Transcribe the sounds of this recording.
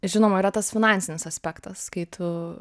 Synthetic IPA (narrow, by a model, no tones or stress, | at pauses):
ʒʲɪnoːmɐiɾɐt̪ɐsfʲɪnɑˑnʲsʲɪnʲɪsɐsʲpʲækt̪ɐskɐɪt̪ʰʊ